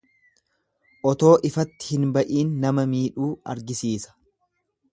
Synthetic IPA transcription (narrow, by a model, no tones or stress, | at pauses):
ʔɔt̪o̞ːʔɪfɐt̪ːɪ̥hɪnbɐʔiːnːɐmɐmiːᶑuːɐ̰ɾɡɪsiːsɐ̥